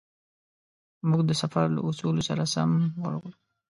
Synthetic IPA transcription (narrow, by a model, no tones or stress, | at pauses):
muɡd̪əsafaɾla̰ʔusulosaɾasamwa̰ɾɡlu